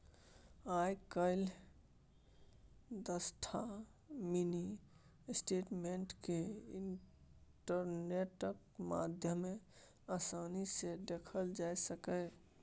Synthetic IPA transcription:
ajkəɪl | d̪əsʈʰa | mini | sʈeʈmeɳʈkeinʈəɾneʈək̚ | ma̰d̪ʱjəme | əsanised̪ekʰəld͡ʒajsəkə

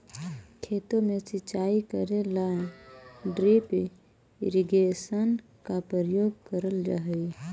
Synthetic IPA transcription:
kʰeːt̪õmẽsɪt͡ʃaːikəɾelaːẽɖɾip | ɪ̰ɾiɡeːsən | kapɾəɾəjoːɡ̚kəɾəld͡ʒa̰ːɦi

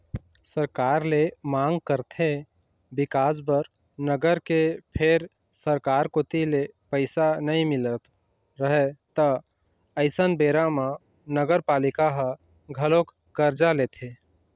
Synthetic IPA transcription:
səɾkaːɾlemãŋɡ̚kəɾt̪ʰe | bɪkaːsbəɾ | nəɡəɾkepʰeɾ | səɾkaːɾkot̪ilepəɪsanəĩmɪlət̪ | ɾəɦɛt̪ə | əɪsənbeɾama | nəɡəɾpaːlɪkaɦə̃ | ɡʱəlok | kəɾd͡ʒaleːt̪ʰe

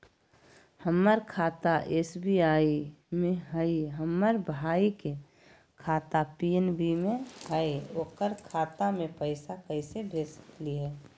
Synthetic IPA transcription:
həmːəɾkʰaːt̪aʔeːsbiaːimeɦəiɦəmːəɾbʱaːike | kʰaːt̪apienbimẽɦəeoːkəɾkʰaːt̪amẽpəɪsakəɪsebʱesə̥kliɦɛ

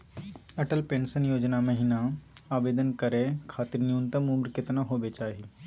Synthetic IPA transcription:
ɐʈəlpẽːɳsənjoːd͡ʒnamɐɦɪna | aːbeːd̪ənkɐɾẽkʰaːt̪ɪɾnijuːnt̪əmumɾkɪt̪naɦoːbet͡ʃaːɦi

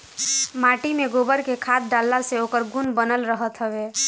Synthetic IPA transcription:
maʈimeɡobəɾkekʰat̪̚ɖalːaseokəɾɡunbənəlɾəɦət̪ɦəbe

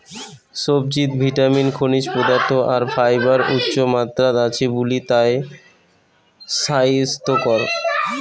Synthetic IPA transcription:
sob̚d͡ʑit̪bʱiʈaminkʰoniʃpɾod̪aɾt̪ʰoʔaɾfajbaɾut̪ːɕomat̪ːɾad̪at͡ɕʰebulit̪ae | sajst̪okɔɾ

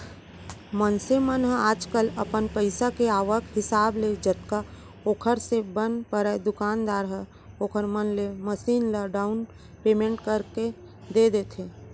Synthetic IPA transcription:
mənsemənɦə̃aːd͡ʒkələpənpəɪsakeaːʋəkʰɦɪsaːbled͡ʒət̪ka | oːkʰəɾsebənpəɾɛd̪ʊkaːnd̪aːɾɦə | oːkʰəɾmənleməsiːnləɖaːʊn | peːmẽːɳʈkəɾke | d̪ed̪eːt̪ʰe

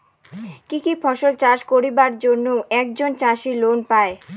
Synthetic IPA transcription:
kikifʰɔʃolt͡ɕaʃkoɾibaɾd͡ʑonːowʔɛk̚d͡ʑont͡ɕaʃilonpae

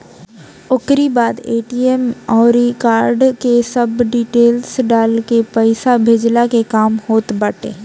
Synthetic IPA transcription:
ʊkɾibaːd̪eːʈiɛmɔːɾikaːɾɖkesɐbɖiːʈeːlsɖaːlkepəɪsabʱed͡ʒlakekaːmhoːt̪bəʈḛː

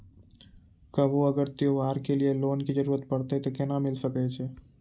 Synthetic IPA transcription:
kəʋoəɡəɾt̪eoaːɾkelijeloːnkid͡ʒəɾuːɾət̪̚pəɽt̪et̪okɛnamɪlsəkɛt͡ʃʰeː

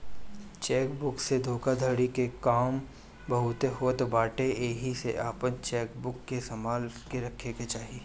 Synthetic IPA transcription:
t͡ʃɛːkbʊksed̪ʱoːkad̪ʱəɽikekaːm | bɐɦʊt̪eɦoːt̪baːʈeeːɦiseʔaːpənt͡ʃɛːkbʊkːesɐmaːlkeɾɐkʰːeket͡ʃaːɦiː

